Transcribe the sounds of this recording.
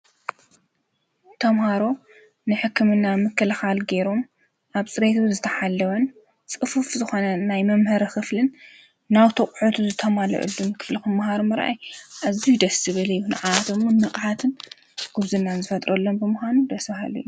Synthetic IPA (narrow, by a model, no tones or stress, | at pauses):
t̪ʰɐmhaɾo̞ | nɨħɨkʰːɨmɨnːamɨkʰːɐlɐxalɡeɾom | ʔaβt͡sʼɨɾet̪zɨt̪ʰɐħalːɐwɐn | t͡sʼɨfufzɨxo̞nɐnajmɐmhɐɾɐxɨflɨnː | awt̪ʰɐkʼʕot̪ʰuzɨt̪ʰɐmalɐ̰ʔɨ̰lːunkʰɨ̥flixɨmːahaɾumɨɾʔa̰jʔazːijd̪ɐsɨβɨlɨjːunɨʕawat̪ɨmunːɨqʼʕat̪ʰɨn | ɡ̥ɨβzɨnːanzɨfɐt̪ʼɾɐlːonbɨmɨxʷanud̪ɐsɐhalṵjːu